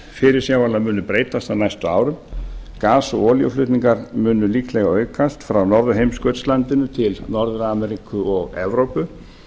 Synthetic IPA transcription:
fɪɾɪɾsjawalamʏːnːʏpɾeːjt̪ast̪anajst̪ʏaːwɾʏmkaːsɔɔːlj̰flʏːt̪niŋkaɾmʏnːʏliːklɛɣaœːɥkast̪fɾawnɔɾðʏɦejmskœɥt̪slant̪ɪnʏt̪ʰɪlnɔɾðʏɾamɛɾikʏɔɣɛ̰vɾowpʏ

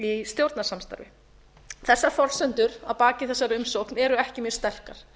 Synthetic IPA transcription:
ist̪jowɾt̪nḁsamst̪a̰ɾvɪ̰ | θɛsːaɾfɔlsœnt̪ʏɾawpaːcɪθɛsːaɾʏmsoknɛɾʏɛhcɪmjœɾ̥st̪ɛr̥kaɾ̥

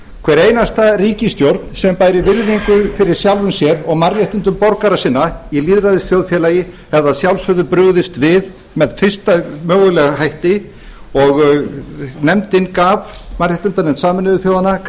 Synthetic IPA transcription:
kʰvɛɾeːjnast̪ariːcɪst̪jowɾt̪nsɛmpajɾɪvɪɾðiŋkʏfɪɾɪɾ̥sjawlvʏmsjɛɾɔɣmarjaht̪ʏnt̪̬ʏmpɔɾkaɾasɪnːailiːðɾaðɪsθjowðfjɛlajɪhɛvðaðsjawlsvʏðʏpɾʏɣðɪst̪vɪð | mɛðfɪr̥st̪amœːɣʏlɛːɣahajht̪ɪ | ɔɣ | nɛmt̪ɪnkavmarjaht̪ʏnt̪anɪnsaːmɪnʏvɪθjoːwðanːa

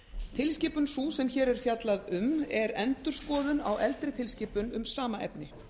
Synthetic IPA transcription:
t̪ʰɪlscɪːpʏnsuːsɛmçɛːɾɛɾ̥fjat̪laðʏmɛɾɛnt̪ʏɾ̥skɔːðʏna̰wʔɛlt̪ɾɪt̪ʰɪlscɪːpʏnʏmsaːmaʔɛ̰pnɪ

